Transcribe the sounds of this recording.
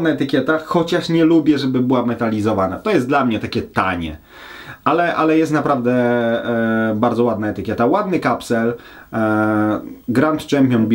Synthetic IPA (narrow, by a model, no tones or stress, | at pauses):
naɛt̪ɘkʲjɛt̪axɔt͡ɕaʂɲɛlubʲjɛʐɛbɘbɘwamɛt̪alʲizɔvanat̪ɔjɛst̪d̪lamɲɛt̪akʲɛt̪a̰ɲɛ̰ | alɛʔalɛjɛst̪napɾavd̪ɛ | baɾd̪zɔwad̪naɛt̪ɘkʲɛt̪awad̪nɘkapsɛl | ɡɾant̪t͡ʂɛmpʲjɔnubʲ